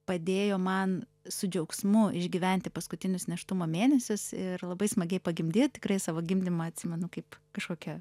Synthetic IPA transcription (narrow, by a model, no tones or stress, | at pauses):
pɐd̪ʲeːjoːmɐn | sʊd͡ʒʲɛʊksmʊɪʒʲɡʲiʋʲɛnʲt̪ʲɪpɐskʊt̪ʲɪnʲʊsnʲɛʃt̪ʊmoːmʲeːnʲɛsʲʊsɪɾlˠɐbɐɪsmɐɡʲɛɪpɐɡʲɪmʲd̪ʲeːjot̪ʲɪ̥kɾɐɪsɑːʋoːɡʲɪmʲd̪ʲɪmɐɐt̪ʲsʲɪmʲɛnʊkɐɪpkɐʃkoːkʲɛ